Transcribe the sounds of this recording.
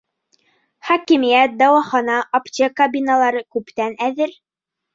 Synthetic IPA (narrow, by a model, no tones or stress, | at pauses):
χɑkimijæt̪̚d̪ɑwɑχɑnɑʔɐpt̪ʲekɐbʲinalˠɑɾɤkʉpt̪ænæðɘɾ